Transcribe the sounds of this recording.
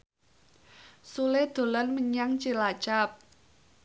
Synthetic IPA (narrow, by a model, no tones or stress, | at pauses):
suled̪̥o̤lɔnməɲaŋt͡ʃilat͡ʃap̚